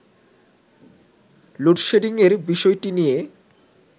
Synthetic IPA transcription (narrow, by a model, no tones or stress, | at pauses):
loʈʃeɖiŋeɾbiʃɔjʈinije